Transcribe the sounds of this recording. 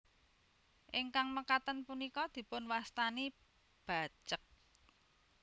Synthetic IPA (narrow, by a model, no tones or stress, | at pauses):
ʔɪŋkaŋməkat̪ənpunikɔd̪̥i̤pʊnwast̪ani | b̥a̤̥t͡ʃək̚